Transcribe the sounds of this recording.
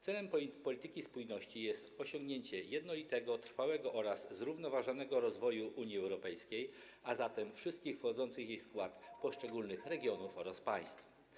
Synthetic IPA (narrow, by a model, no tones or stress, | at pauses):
t̪sɛlɛmpɔlʲit̪ɘkʲispujnɔɕt͡ɕijɛst̪ɔɕɔŋɡɲeɲt͡ɕɛjɛd̪nɔlʲit̪ɛɡɔt̪ɾfawɛɡɔʔɔɾasːɾuvnɔvaʐɔnɛɡɔɾɔzvɔjuʔuɲiɛwɾɔpɛjskʲej | azat̪ɛmfʂɘst̪kʲixfxɔd̪zɔnt̪sɘxjejskwat̪pɔʂt͡ʂɛɡulnɘxɾɛɡʲjɔnufɔɾaspaj̃st̪f